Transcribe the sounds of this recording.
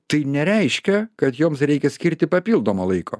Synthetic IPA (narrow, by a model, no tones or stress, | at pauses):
t̪ɐɪnʲɛɾʲɛɪʃʲkʲɛkɐt̪joːmsɾʲɛɪkʲɛsʲkʲɪɾʲt̪ʲɪpɐpʲiːlˠd̪oːmoːlˠɐɪkʰo̰ː